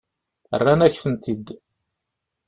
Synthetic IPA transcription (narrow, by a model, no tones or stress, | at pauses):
ə̰rːænæçθənt̪id̪